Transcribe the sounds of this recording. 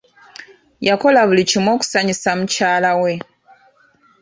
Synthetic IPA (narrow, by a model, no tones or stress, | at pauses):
jako̞laβulicimwo̞ːku̥saɲisamucaːlawe̞